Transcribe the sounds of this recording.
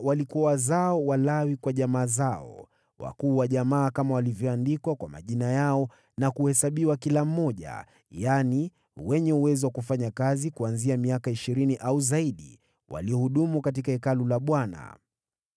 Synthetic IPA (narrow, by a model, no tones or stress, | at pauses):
walikuwawazaɔwalawikwaʄamaːzaɔ̰ | wa̰kuːwaʄamaːkamawalivjɔandikwakwama̰ʄinajaɔ | nakuhɛsaɓiwakilam̩ːɔʄa̰ | jani | wɛɲɛuwɛziwakufaɲakazikuanziamiakaiʃiɾiniʔauzaiɗi | wa̰liɔhuɗumukat̬ikaɛkalulaɓwana̰